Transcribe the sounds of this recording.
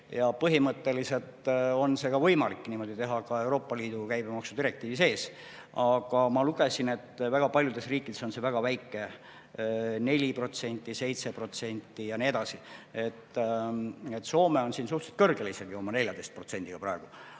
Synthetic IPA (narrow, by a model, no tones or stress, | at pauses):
jɑpɤɦimɤt̪ːe̞lise̞lt̪o̞nse̞ɡɑvɤjmɑlikːniːmo̞d̪̥it̪e̞ɦɑkɑe̞wɾo̞ːpːɑliːd̪ukæjbemɑksu̥d̪iɾe̞k̚t̪iːvise̞ːs | ɑɡ̥ɑmɑluɡe̞sine̞t̪ːvæɡ̥ɑpɑljud̪e̞sriːkːˑid̪e̞so̞nse̞væɡ̥ɑvæjkˑːe̞ | ne̞lʲipro̞t̪se̞nʲt̪ːˑise̞jt̪se̞pro̞t̪se̞nʲt̪ːˑijɑnie̞d̪̥ɑsie̞t̪ː | et̪ːˑso̞ːme̞o̞nsiːnsuht̪se̥t̪̚kɤrɡ̥eliseɡ̥io̞mɑne̞lʲjɑd̪̥ejst̪̚pro̞t̪se̞nʲd̪iɡ̥ɑprɑeɡ̥u